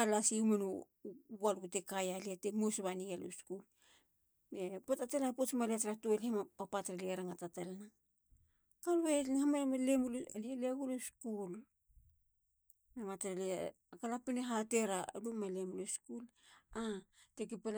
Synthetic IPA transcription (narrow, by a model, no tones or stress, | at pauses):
alasiumenu | alukutekajaliatemusβanialo̰skul | mepotatelapot͡ʃmaleatɾatoelamapapataɾeliɾaŋatatalna | kaluenhamamalemulalieleaɡuloskul | memataɾele | kalapeneɦateɾalumalemuloskulatekepe